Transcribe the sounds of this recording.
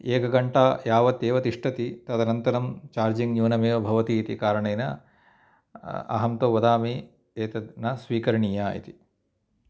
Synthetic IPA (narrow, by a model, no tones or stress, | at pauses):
eːkɐɡɐɳʈaːjaːʋɐt̪eːʋɐt̪iʂʈʰɐt̪it̪ɐd̪ɐnɐnt̪ɐɾɐmt͡ʃaːɾd͡ʒiŋjuːnɐmeːʋɐbʱɐʋɐt̪iːt̪ikaːɾɐɳɐjnɐ̰ | ɐ̰ɦɐmt̪oːʋɐd̪aːmi | eːt̪ɐnɐsʋiːkɐɾɐɳijaːḭt̪i̥